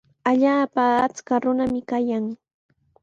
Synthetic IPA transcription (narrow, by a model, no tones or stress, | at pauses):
aʎaːpaːt͡skaɾʊnamɪkajaŋ